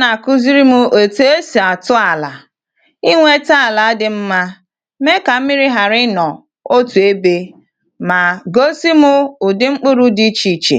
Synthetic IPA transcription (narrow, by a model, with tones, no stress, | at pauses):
na˨kʊ˦zi˦ɾi˦mʊ˦ʔo˨tu˦e˦si˨a˨tʊ˦a˨la˨ | i˦ŋʷe˦ta˦a˨la˨˦dɪ˦m̩˦ma˦ | me˦ka˨m̩˦mi˦ɾi˦ɦa˨ɾɪ˦nɔ˨ | o˦tu˨e˦be˦ | ma˨ɡo˦si˦mʊ˦ʊ˨dɪ˦ŋ͡m̩˦k͡pʊ˦ɾʊ˦di˦t͡ʃi˨t͡ʃḛ˨